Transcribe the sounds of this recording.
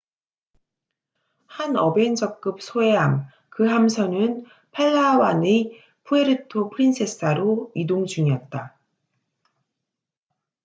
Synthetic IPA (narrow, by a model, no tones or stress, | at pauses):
hanʌbe̞nd͡ʑʌk̚k͈ɯp̚sʰoe̞jam | kɯɦamsʰʌnɯn | pʰaɭːawane | pʰueɾɯtʰopʰɯɾinsʰes͈aɾoidomd͡ʑuŋiʌt̚t͈a